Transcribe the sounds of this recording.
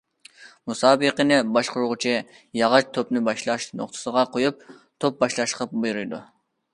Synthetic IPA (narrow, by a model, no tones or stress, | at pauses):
musɑːbəqənɪbɑʃqʊɾʁʊt͡ʃʰi | jɑʁɑt͡ʃt̪ʰopnɪbɑʃlˠɑʃno̰χt̪ʰɨ̥səʁɑqʰojup̚t̪ʰop̚bɑʃlˠɑʃqʰəp̚bujɾɨjd̪ṵ